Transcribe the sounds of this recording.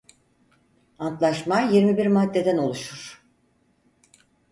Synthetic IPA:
ant̪lˠaʃmajiɾmibiɾmad̪ːe̞d̪æno̞lˠuʃuɾ̥

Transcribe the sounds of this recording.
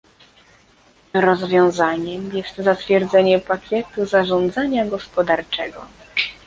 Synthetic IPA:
ɾɔzvʲjɔ̃w̃zaɲɛmjɛst̪zat̪fʲjɛɾd̪zɛɲɛpakʲɛt̪uzaʐɔnd̪zaɲaɡɔspɔd̪aɾt͡ʂɛɡɔ

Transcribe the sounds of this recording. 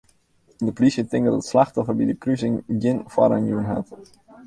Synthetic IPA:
dəpolisjətɪŋkdɔdətslaxtɔfərbidəkrysɪŋjɪnfa̰ɾanjuənɦa̰t

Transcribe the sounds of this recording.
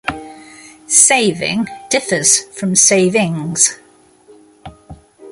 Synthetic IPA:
seɪvɪ̰̃ŋd̥ɪfəz̥fɹə̃mseɪvɪ̃ŋz̥

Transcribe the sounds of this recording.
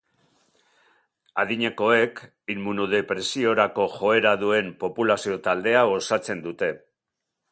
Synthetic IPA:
aðiɲe̞ko̞e̞k | ilmunuðe̞pɾe̞sio̞ɾako̞ʝo̞e̞ɾaðue̞mpo̞pulasio̞t̪ald̪e̞ao̞sat͡se̞nd̪ut̪e̞

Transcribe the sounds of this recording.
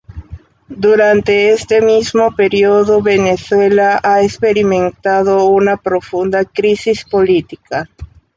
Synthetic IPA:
d̪uɾant̪e̞est̪e̞mizmope̞ɾioðoβe̞ne̞swe̞laʔaespe̞ɾimẽ̞nt̪að̞ounapɾofund̪akɾisispo̞lit̪ika

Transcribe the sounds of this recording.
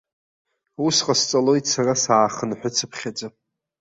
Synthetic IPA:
usqʼast͡sʼalo̞jtsarasaːχənħʷᶣʊt͡sʰɨpʰχʲad͡zʼa

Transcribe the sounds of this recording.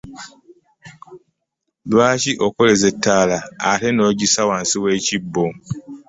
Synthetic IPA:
lwaːciʔokolezetʰːaːlaːte̞no̞ːɟisawaːnsiweːcibːo

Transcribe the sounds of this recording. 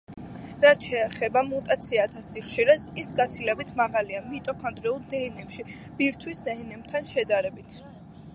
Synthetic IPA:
ɾat̪ʃɛːχɛbamut̪ʼat̪sʰiat̪ʰasiχʃiɾɛsisɡat̪sʰilɛbit̪ʰmaʁaliamit̪ʼɔkʰɔnd̪ɾɛulˠd̪ɛɛnɛpʃi | b̥iɾt̪ʰwisd̪ɛɛnɛbt̪ʰanʃɛd̪aɾɛbit̪ʰ

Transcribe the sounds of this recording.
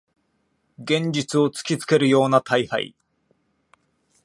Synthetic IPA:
ɡẽ̞ɲ̟d͡ʑit͡sɨo̞t͡sɨ̥kʲit͡sɨ̥ke̞ɾɯ̟jo̞ːnat̪ʰaiha̰ḭ

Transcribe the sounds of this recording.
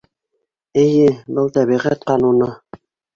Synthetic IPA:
ɘ̆jɘbɤlˠt̪æβiʁæt̪qɑnunɤ

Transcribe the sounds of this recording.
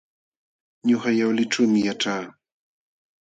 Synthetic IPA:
ɲʊxajawlɪʈ͡ʂuːmɪjaʈ͡ʂaː

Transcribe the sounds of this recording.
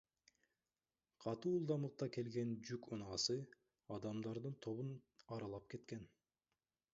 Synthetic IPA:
qʰɑt̪uːlˠd̪ɑmɯq̚t̪ɑke̞lɡe̞nd͡ʒykunɑːsɯ | ɑd̪ɑmd̪ɑɾd̪ɯnt̪ʰo̞βunɑɾɑlˠɑp̚ke̞t̪ke̞n

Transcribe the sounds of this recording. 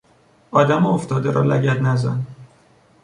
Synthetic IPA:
ɒːd̪æmoft̪ɒːd̪eɾɒ̰ːlæɟæt̪næzæ̰n

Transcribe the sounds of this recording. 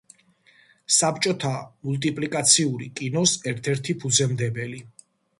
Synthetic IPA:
sapʰt͡ʃʼɔt̪ʰamult̪ʼipʼlikʼat̪sʰiuɾḭkʼinɔsɛɾt̪ʰɛɾt̪ʰipʰud̪zɛmd̪ɛbɛli

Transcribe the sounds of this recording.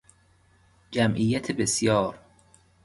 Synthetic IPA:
d͡ʒæmʔiːjæt̪ʰebesjɒːɾ

